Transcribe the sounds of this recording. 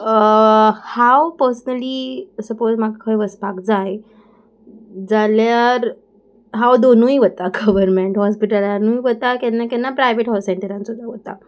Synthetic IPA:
hawpəɾsnəlisəpod͡zmakkʰəjʋəspakd͡zaj | d͡zaljaɾ | ɦawd̪onũiʋət̪ːaɡəʋəɾmeɳʈɦɔspiʈəlanuiʋət̪akɛnːakɛnːapɾajʋeʈɦɔsẽɳʈəɾãnsud̪ʱːaʋət̪a̰

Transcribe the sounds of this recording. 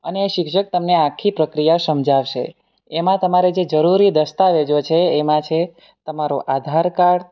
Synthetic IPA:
əneːʃɪkʃək̚t̪əmneakʰːipɾəkɾijasəmd͡ʒaʋʃḛː | mãt̪əmaɾed͡ʒed͡ʒəɾuɾid̪əst̪aʋed͡ʒot͡ʃʰeːmãt͡ʃʰe | t̪əmaɾoʔad̪ʱaɾkaɽ

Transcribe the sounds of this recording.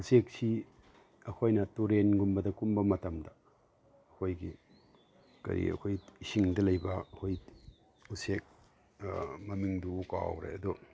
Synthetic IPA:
usek̚si | ɐkʰojnɐtuɾenɡumbɐdɐkumbɐmɐtɐmdɐ | ɐkʰojɡi | kɐ̰ɾḭɐ̰kʰojisiŋdɐlɐjbɐɐkʰoj | usek̚ | mɐmiŋduuka̰wɾḛɐdu

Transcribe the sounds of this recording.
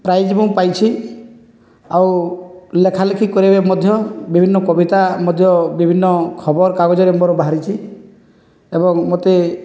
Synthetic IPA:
pɾajd͡ʒbɔ̃w̃pajt͡ʃʰi | awlekʰalekʰikɔɾibemɔd̪ʱjɔbibʱinːɔkɔbit̪amɔd̪ʱjɔbibʱinːɔkʰɔbɔɾkaɡɔd͡ʒɔɾemɔɾubaɦaɾit͡ʃʰi | ebɔŋmot̪e

